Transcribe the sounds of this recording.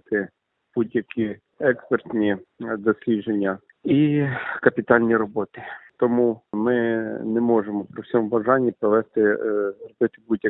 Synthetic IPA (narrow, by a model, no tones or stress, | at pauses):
t̪ɪ | b̥udʲjɐkʲʰi | ɛkspert̪ʲnʲid̪ɔsʲlʲiʒenʲːɐ | ikɐpʲit̪ɑlʲnʲiɾɔbɔt̪ɪt̪ɔmumɪnɛmɔʒemɔpɾɪwsʲɔmubɐʒɑnʲːipɾɔʋɛst̪ɪrɔbɪt̪ɪbudʲjɐ